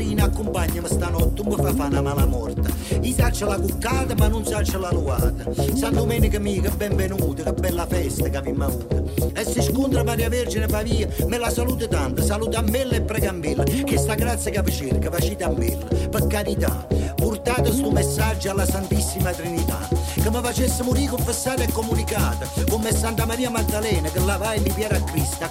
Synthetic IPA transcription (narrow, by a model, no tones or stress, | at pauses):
ɾiːnakːumpaɲːəməst̪anɔt̪ːumːəfafanamalamɔrt̪ə | isat͡ʃːalakukːaːt̪əmanːunsat͡ʃːəlalua̰ːt̪əsand̪umɛːnikəmiːkəbːɛɱvɛnuːt̪əkabːɛlːafɛst̪əkavimːauːt̪əɛsːɪʃkunt̪ɾəpaɾjaveɾd͡ʒinəfaviːəmɪlasaluːt̪ət̪ant̪əsaluːt̪amːelːɛpːɾɛːɡamːɪlːəkɪst̪aɡɾat̪sːjəkavət͡ʃɪɾkəfat͡ʃiːt̪amːḛlːə̰pəkːaɾit̪a̰purt̪aːt̪əst̪umesːad͡ʒːalːasant̪isːimat̪ɾinit̪a̰kəmːəfat͡ʃesːəmʊɾiːkuɱfəsːaːt̪ɛkːɔmunikaːt̪əkumːesːant̪amaɾiːamaɡ̚d̪alɛːnəkəlːavajlːipjɛːɾakːɾist̪a